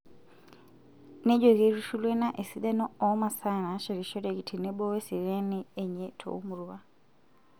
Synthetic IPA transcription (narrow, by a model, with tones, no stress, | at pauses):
ne˦ɟo˨ɣe˨ɾu˦ʃu˦lwe˦na˦ʔe˨si˦ɗa˦nɔ˦ɔ˨˦ma˨sa˦˨na˨ʃɔ˨ɾi˨ʃɔ˦ɾe˨ki˨tʰi˨ne˦bɔ˦we˦si˨ɾe˦ni˦e˨ɲe˦tʰo̰˨u˦mu˨ɾu˨βa˦˨